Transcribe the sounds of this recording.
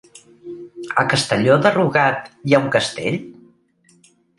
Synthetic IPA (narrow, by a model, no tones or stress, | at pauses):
ə̰kəst̪əʎoðəruɣat̪jauŋkəst̪ḛʎ